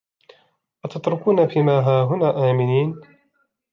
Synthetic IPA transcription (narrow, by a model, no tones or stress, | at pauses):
ʔat̪at̪ɾʊkuːnabiːmaːɦaːɦʊnaːʔaːmɪniːn